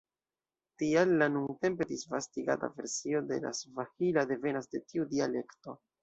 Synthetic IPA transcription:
tialːanuŋɡte̞mpe̞disvastiɡa̰ta̰ve̞ɾsio̞de̞̰la̰svahilade̞ve̞nasde̞tiudiale̞kto̞

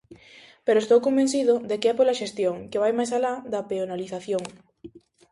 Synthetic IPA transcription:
peɾoest̪owkombenθiðʊd̪ekeɛpolaʃest̪joŋkeβajmajsalaðɐpeonaliθaθjoŋ

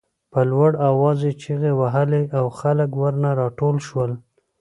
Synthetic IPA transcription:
pəlwaɽawɑzet͡ʃiɣewaɦaleʔawxaləkwəɾnaɾɑʈolʃwəl

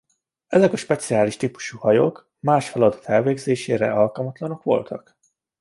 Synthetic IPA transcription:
ɛzɛkɒʃpɛt̪siaːliʃt̪iːpu̥ʃuːhɒjoːk | maːʃfɛlɒd̪ɒ̥t̪ɛlveːɡzeːʃeːɾɛ̰ɒlkɒlmɒt̪lɒno̞kʋo̞̰lt̪ʰɒk

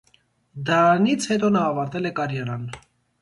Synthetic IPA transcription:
d̪ɑnit͡sʰhɛt̪ɔnɑːvɑɾt̪ɛlɛkɑɾjɑɾɑn

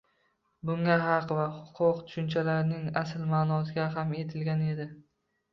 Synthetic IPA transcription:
bʊŋaɦɑqvahʊqʰʊqt̪ʰʊ̥ʃʊnt͡ʃʰalaɾnɪŋasɪlmaːnɒs̬ɪɡʲaɦame̞t̪ʰɪlɡʲane̞d̪ɪ

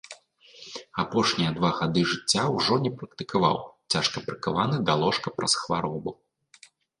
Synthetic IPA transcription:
apɔʂnʲijɐd̪vaɣad̪ɨʐɨt͡sʲːawʐɔnʲɛpɾɐkt̪ɨkava̰wt͡sʲaʂkɐpɾɨkavanɨd̪alˠɔʂkɐpɾɐsxvaɾɔbu

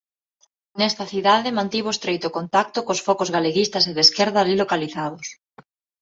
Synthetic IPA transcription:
nɛst̪ɐθiðaðɪmãnt̪iβoest̪ɾejt̪ʊkont̪ak̚t̪okosfɔkozɣaleɣist̪aseðeskeɾðaːlilokaliθaðʊs

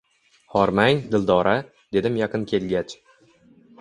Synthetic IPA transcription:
hɒɾmaŋd̪ɪlˠd̪ɒɾʔa | d̪̥e̞d̪ɪmjɑqɨnkʲʰe̞lɡʲat͡ʃ

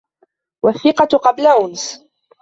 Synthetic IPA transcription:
waθːɪqɑqɑblaʔʊns

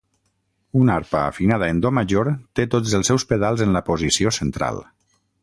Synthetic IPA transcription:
unaɾpə̰ːfinað̞əend̪omaʒoɾt̪et̪od͡zəlˠsɛwspeðalˠzənləpozisiosənt̪ɾa̰lˠ

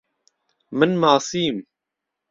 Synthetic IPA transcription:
mɨnmaːsiːm

